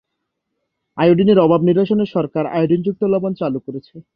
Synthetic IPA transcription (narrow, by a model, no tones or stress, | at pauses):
ajoɖineɾɔbʱabniɾbaʃoneʃɔɾkaɾa̰joɖind͡ʑuk̚t̪olɔbont͡ɕalukoɾet͡ɕʰe